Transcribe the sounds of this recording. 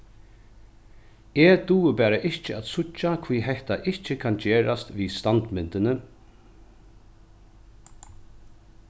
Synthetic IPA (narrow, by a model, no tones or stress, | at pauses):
ɛːd̪uːɪbɛːɾaʔɪht͡ʃɪat̪sʊt͡ʃːakʰviːɦɛht̪aʔɪht͡ʃɪkʰand͡ʒeːɾast̪ʋiːst̪ant̪mɪnt̪ɪnɪ